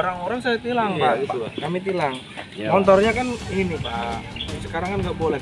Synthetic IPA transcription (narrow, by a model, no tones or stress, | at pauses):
oɾaŋoɾaŋsajat̪ilaŋpaɡit̪ukamit̪̬ilaŋ | mɔnt̪ɔrɲakaninipasəkaɾaŋkanŋɡaʔbolɛ